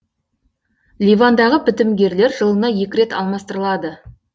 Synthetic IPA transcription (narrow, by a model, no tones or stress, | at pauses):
lʲijvand̪ɑʁəpʰɪt̪ɪmɡʲe̞ɾle̞ɾʒəlˠənɑje̞kʲɪɾe̞t̪ɑ̰lˠmɑst̪əɾəlˠɑd̪ə